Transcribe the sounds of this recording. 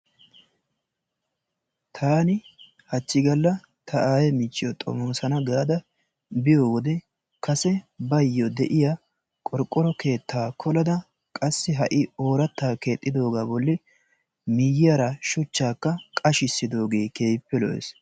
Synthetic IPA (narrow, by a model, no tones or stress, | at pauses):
t̪ʰaːnɪ | hɐt͡ʃːɪɡɐlːɐ | t̪ʰɐʔaːjɛmɪt͡ʃːɪjɔt̪ʼɔ̰mɔnsɐnɐɡaːd̪ɐ | bɪjoːɡɔd̪ɛ | kɐsɛbɐjːɔd̪ɛʔɪja | kʼɔɾkʼːɔɾɔke̞ːt̪ʰːaːkʰɔlɐd̪ɐ | kʼɐsːɪɦɐʔɪoːɾɐt̪ːaːke̞ːt̪ʼːɪd̪o̞ːɡaːbɔlːɪ | mɪjɪjɐɾɐʃʊt͡ʃːaːkːɐkʼɐʃɪsːɪd̪o̞ːɡe̞ːke̞ːjpːɛlɔ̰ʔɛ̰s